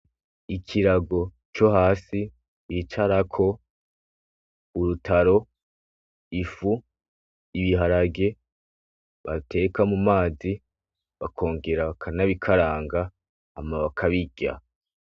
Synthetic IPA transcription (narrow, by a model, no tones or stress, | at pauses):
ikʰiɾaɡo̞ | t͡ʃo̞ɦaːsi | it͡ʃaɾakʰo̞ | uɾutʰaɾo̞ | ifu | iβiɦaɾaɡe̞ | βate̞kamumaːzi | βakʰo̞ːŋɡe̞ɾaβakʰanaβikʰaɾaːŋɡaː | maβakʰaβiɟ̥ʲa̰